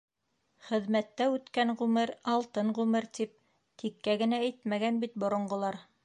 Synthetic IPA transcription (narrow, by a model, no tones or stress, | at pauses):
χɘ̆ðmæt̪ːæʉt̪kæɴʁʉmɘɾɑlˠt̪ɤɴʁʉmɘɾt̪ip̚ | t̪ʰikːæɡɘ̆nææjt̪mæɡænbit̪̚bŏɾŏɴɢŏlˠɑɾ